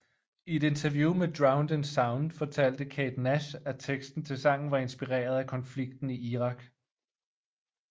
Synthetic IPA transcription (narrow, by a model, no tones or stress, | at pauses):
ie̝d̥e̝nt͡sʰɐʋjuːmed̥ʁɑ̈ʊnd̥ənsɑ̈ʊnd̥fɒ̽t͡sʰæl̰d̥əkʰɛːd̥næɕæt͡sʰeɡ̥sd̥n̩t͡sʰe̝lsɑ̈ŋ̰n̩ʋɑ̈e̝nsb̥iʁḛːɐð̞ˠækʰɒ̽nfliɡ̥̚d̥n̩iiʁɑ̈ɡ̥